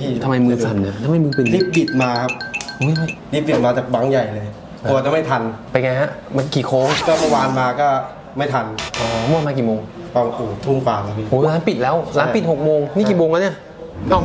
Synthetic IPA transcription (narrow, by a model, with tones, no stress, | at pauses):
t̪ʰa˧mːa˧jmɯː˧sa˨˩nːi˧˩ɐt̪ʰmːa˧jmɯː˧pʰɯ˧˩nli˦˥p̚li˨˩t̪̚maː˧kʰa˦˥p̚ʔu˦˥˩ja˦˥˩li˦˥p̚li˨˩maː˧t͡ɕaː˨˩k̚ba˩˦ŋja˨˩jlɤː˧jʰ | ɔ˧wa˨˧˩t͡ɕa˧˦ma˥˩jt̪ʰa˧npa˧jŋa˧jha˦˥ma˧n˥˩kʰiː˨˩kʰoː˧˦kɔː˥˩mɯ˥˩waː˧nmaː˧kɔː˥˩ | ma˥˩jt̪ʰa˧nʔɔː˧˩mɯː˧nmaː˧k̬iː˨˩moː˧ŋ | t̪ɔ˧˩ŋ˧ʔoː˨˩t̪ʰu˥˩ŋkwaː˨˩ma˧i˧˩hoː˧˦˧laː˨˦npi˨˩t̪̚lɛː˦˥wlaː˨˦pi˨˩t̪̚ho˨˩k̚moː˧ŋniː˥˩kiː˨˩moː˧ŋka˧˥ni˥˩ɐ | a˥˧˩